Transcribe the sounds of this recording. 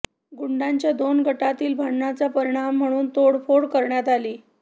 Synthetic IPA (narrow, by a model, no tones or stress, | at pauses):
ɡuɳɖaɲt͡ɕjad̪onɡʱəʈat̪iːlbʱaɳnat͡sapəɾiɽ̃am̤ːəɽ̃uːnt̪oɽfoɽkəɾɳjat̪aliː